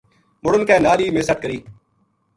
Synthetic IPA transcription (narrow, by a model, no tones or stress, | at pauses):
mʊɽənkɛːnaːliːmeːsəʈ̚kəɾiː